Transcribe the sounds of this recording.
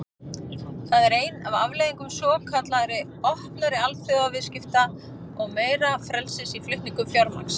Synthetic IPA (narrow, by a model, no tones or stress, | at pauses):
θaðɛɾeːjnavavlejðiŋkʏmsɔːkʰat̪laɾɪ | ɔhp̪naɾɪalfʏavɪscɪft̪a | ɔɣmeːjɾafɾɛlsɪsiflʏht̪niŋkʏmfjɔɾma̰ks